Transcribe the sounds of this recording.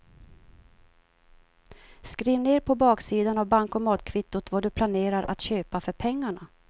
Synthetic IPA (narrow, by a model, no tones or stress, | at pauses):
skɾiːvneːɾpʰɔbɑːksiːd̪anavbaŋkɔmɑːt̪kʰvɪt̪ːʊt̪vaɖɵpʰlaneːɾaɾʔa̰t̪ɕøːpafœɾpʰɛŋːaɳa